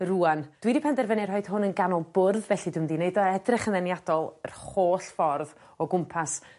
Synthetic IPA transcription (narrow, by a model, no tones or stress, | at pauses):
ruːand̥widipʰɛndɛrvənɪr̥hɔɨd̥ɦʊnənɡanɔlˠbʊrðvɛɬidʊmdineɨdɔɛdrɪχənðɛnjadɔlˠə̰rχoːɬfɔrð | ɔɡʊmpʰas